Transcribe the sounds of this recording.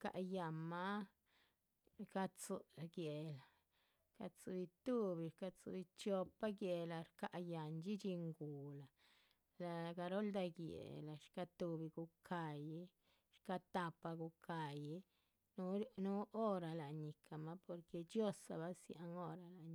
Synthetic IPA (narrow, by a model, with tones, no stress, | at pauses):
ka̰˨ʔja˨ma˦ | ka˧t͡su˧ɡje˨la˨ | ka˧t͡su˧bi˧t̪u˦bi˨ɾka˧t͡sṵ˧bi˧t͡ʃo˧pa˦ɡje˧la˧ɾka˨ʔja˨nt͡ʃi˦t͡ʃi˧ŋɡu˨la˨ | la˧ɡa˧ɾo˦ld̪a˧ɡjḛ˨la˨ʃka˧t̪u˧bi˧ɡu˧kʰa˨ji˦ | ʃka˧t̪a˧pa˧ɡu˧ka˨ji˦ | nu˦nu˦o˦ɾa˨la˨ɲi˨kʰa˨ma˦po˧ɾke˧d͡ʒjo˦sa̰˨ba˦sja˧˦ŋo˦ɾa˧la˨ɲ